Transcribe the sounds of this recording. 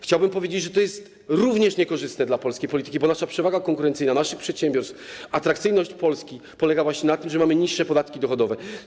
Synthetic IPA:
xt͡ɕawbɘmpɔvʲjed͡ʑed͡ʑʐɛt̪ɔjɛst̪ | ɾuvɲɛʂɲɛkɔʐɘst̪nɛd̪lapɔlskʲejpɔlʲit̪ɘ̥kʲibɔnaʂapʂɛvaɡakɔŋkuɾɛnt̪sɘjnanaʂɘxpʂɛt̪ɕɛmbʲɔɾst̪fat̪ɾakt̪sɘjnɔɕt͡ɕpɔlskʲi | pɔlɛɡavwaɕɲɛnat̪ɘmʐɛmamɘɲiʂːɛpɔd̪at̪kʲid̪ɔxɔd̪ɔvɛ

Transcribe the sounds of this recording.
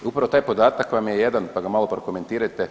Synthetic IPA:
upɾaʋo̞t̪aːjpo̞d̪aːt̪akʋamjejed̪anpaɡamaːlˠo̞pɾokome̞nt̪iːɾajt̪e

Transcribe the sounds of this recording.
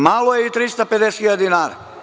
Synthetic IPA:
malˠojeit̪ɾist̪aped̪esxilʎad̪inaːɾa

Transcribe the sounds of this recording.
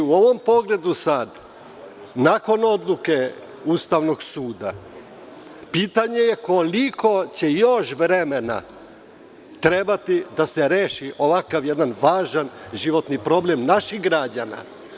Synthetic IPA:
uoʋo̞mpo̞ɡle̞d̪usad̪ | nako̞no̞d̪lˠuke̞ | ust̪aʋno̞ɡsuːd̪a | piːt̪aɲe̞je̞ko̞likʰo̞t͡ɕe̞jo̞ʃʋɾe̞me̞na̰ | t̪ɾe̞bat̪id̪aseɾe̞ːʃiʔo̞ʋakaʋjed̪anʋaːʒanʒiʋo̞t̪nipɾo̞ble̞mnaʃiɣɡɾad͡ʑana̰

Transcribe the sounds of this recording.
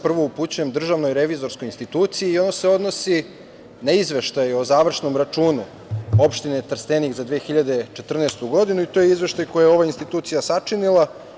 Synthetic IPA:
pr̩ʋo̞uput͡ɕeɲemd̪r̩ʒaʋno̞jɾe̞ʋizo̞ɾsko̞jinst̪it̪uːt̪siiːo̞noseo̞d̪no̞si | naizʋe̞ʃt̪ajo̞zaːʋr̩ʃno̞mɾat͡ʂuːnu | o̞pʃt̪inet̪r̩st̪eniɣzad̪ʋeːxiʎad̪e̞t͡ʃe̞t̪r̩nest̪uɡo̞d̪inuit̪ojeizʋe̞ʃt̪ajko̞jajeo̞ʋainst̪it̪uːt̪sijasat͡ʂinilˠa

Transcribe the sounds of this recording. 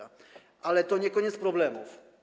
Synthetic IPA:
a | ʔalɛt̪ɔɲɛkɔɲɛt̪spɾɔblɛmṵf

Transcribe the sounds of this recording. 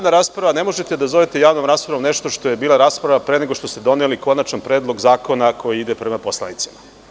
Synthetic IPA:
anaɾaːspɾaʋane̞mo̞ʒet̪e̞d̪azo̞ʋet̪e̞jaːʋno̞mɾaːspɾaʋomne̞ʃt̪o̞ʃt̪o̞je̞biːlˠaɾaːspɾaʋapɾe̞ːne̞ɡo̞ʃt̪o̞st̪ed̪o̞neliko̞nat͡ʃnanpɾeːd̪lˠo̞ɡzaːko̞nakʰo̞jiid̪e̞pɾe̞mapo̞slˠa̰nit̪si̥ma

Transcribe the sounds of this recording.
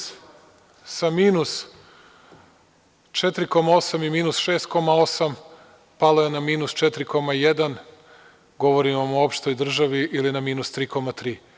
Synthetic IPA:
samiːnus | t͡ʃet̪ɾiko̞mao̞samimiːnusʃe̞ːst̪̚ko̞mao̞sam | paloenamiːnust͡ʃet̪ɾiko̞majed̪an | ɡo̞ʋoɾimamoopʃt̪o̞jd̪r̩ʒaʋiʔilinamiːnust̪ɾiːko̞mat̪ɾiː

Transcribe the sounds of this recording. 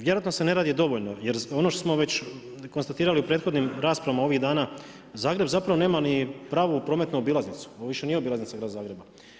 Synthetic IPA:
ʋje̞ɾoat̪nose̞ne̞ɾaːd̪id̪o̞ʋoʎno̞jeɾo̞noʃt̪osmo̞ʋe̞t͡ɕ | konst̪at̪iːɾaliupɾe̞ːt̪xo̞d̪nimɾaːspɾaʋamao̞ʋiɣd̪aːnaː | zaːɡɾe̞bzapɾaʋo̞neːmanipɾaːʋupɾoːmet̪nuobiːlaznit̪su̥oʋiʃe̞nijeo̞bilaznit̪saɡɾaːd̪azaːɡɾe̞ba

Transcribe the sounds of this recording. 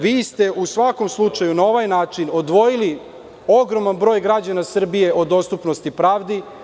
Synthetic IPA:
ʋiːst̪e̞ʔusʋako̞mslˠut͡ʂajunao̞ʋajnaːt͡ʂino̞d̪ʋo̞jili | o̞ɡɾo̞manbɾo̞ːjɡɾad͡ʑanasr̩bije̞ʔo̞d̪o̞st̪upnost̪ipɾaːʋd̪i

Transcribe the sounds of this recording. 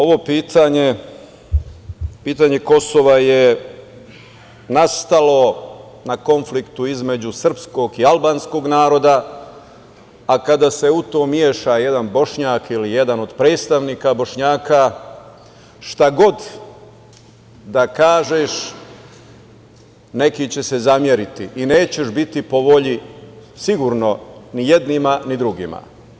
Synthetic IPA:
o̞ʋo̞piːt̪ʰaɲe | piːt̪aɲe̞ko̞so̞ʋaje | nast̪alo̞ | nako̞nflikt̪uizme̞d͡ʑusr̩psko̞ɡialbaːnsko̞ɡnaːɾo̞d̪a | akad̪ase̞ut̪o̞ːmjeːʃaje̞d̪anbo̞ʃɲaːkilijed̪ano̞d̪pɾe̞ːd̪st̪aʋniːkabo̞ʃɲaːka | ʃt̪aɡo̞d̪ | d̪akaːʒeʃ | ne̞kit͡ɕe̞sezamje̞ɾit̪iʔineːt͡ɕe̞ʃbit̪ipo̞ʋo̞ʎisiɡuɾno̞nijed̪nimanid̪ɾuɡḭma̰

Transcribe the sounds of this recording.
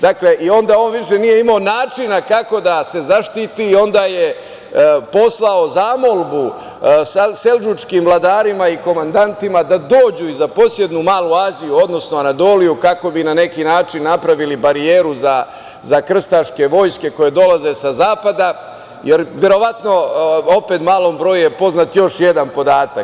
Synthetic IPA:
d̪akle̞ʔio̞nd̪aːo̞ːnʋiʂe̞nije̞imaonaːt͡ʂinakako̞d̪ase̞zaʃt̪it̪iːo̞nd̪aːje | po̞slˠao̞zaːmo̞lbu | sase̞ld͡ʒut͡ʃkiːmvlˠad̪aːɾimaiko̞mand̪ant̪imad̪ad̪o̞ːd͡ʑuizapo̞sje̞d̪numaːlˠuaːzijuo̞d̪no̞snoanat̪o̞lijukako̞binane̞kiːnaːt͡ʂinːapɾaʋilibaɾijeːɾuza | zakr̩st̪aʂke̞ʋo̞ːjske̞ko̞jed̪o̞laze̞sazaːpad̪a | jeɾʋje̞ɾo̞ʋat̪no̞o̞pet̪maːlˠo̞ːmbɾo̞ːjujepo̞znat̪jo̞ʃje̞d̪anpo̞d̪aːt̪ak

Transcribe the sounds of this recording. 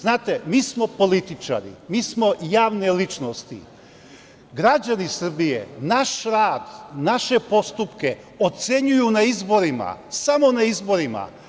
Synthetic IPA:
znaːt̪e̞miːsmo̞po̞lit̪it͡ʃa̰ɾḭmiːsmo̞jaːʋne̞lit͡ʃnost̪ḭ | ɡɾad͡ʑanisr̩bijḛnaʃɾaːd̪naʃe̞po̞st̪upke | o̞t̪se̞ɲujunaizbo̞ɾima̰samo̞naizbo̞ɾima̰

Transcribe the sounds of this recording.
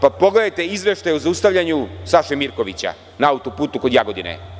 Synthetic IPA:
papo̞ɡle̞d̪ajt̪e̞izʋe̞ʃt̪ajeuzaust̪aʋʎʲaɲusaʃemiɾko̞ʋḭt͡ɕa̰ | naaut̪opuːt̪uko̞d̪jaɡo̞d̪inḛ

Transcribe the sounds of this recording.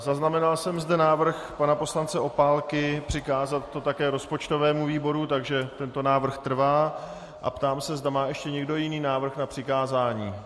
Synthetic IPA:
zaznamɛnalsɛmzdɛnaːvr̩xpanapo̞slant͡sɛʔo̞paːlkɪpr̝̥ɪkaːzat̪ːo̞t̪akɛːɾo̞spo̞t͡ʃt̪o̞vɛːmuviːbo̞ɾut̪aɡʒɛt̪ɛnt̪o̞naːvr̩xt̪r̩vaː | ʔa̰pt̪aːmsɛzdamaːʔɛʃcɛɲɛɡdo̞jɪniːnaːvr̩xnapr̥ɪkaːzaːɲiː

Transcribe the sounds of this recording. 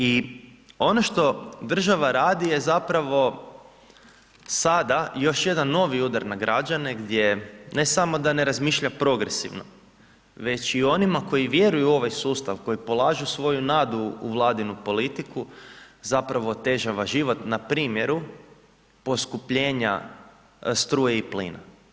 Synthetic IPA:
i | o̞no̞ʃt̪o̞d̪r̩ʒaʋaɾaːd̪ije̞zapɾaʋo̞ | sad̪ajo̞ʃje̞d̪anːo̞ʋiud̪aɾnaɡɾʔad͡ʒane̞ɡd̪ʲje̞ne̞samo̞d̪ane̞ɾazmiːʃʎapɾo̞ɡɾesḭʋno̰ | ʋe̞t͡ʃio̞nimako̞jiʋje̞ɾujuo̞ʋajsuːst̪aʋko̞jipo̞lˠaːʒusʋo̞junaːd̪ṵːʋlˠaːd̪inupo̞lit̪ikuzapɾaʋo̞ːt̪e̞ʒaʋaʒiʋo̞t̪napɾiːmje̞ɾu | po̞skupʎe̞ːɲa̰ | st̪ɾuːjeiplḭːna̰

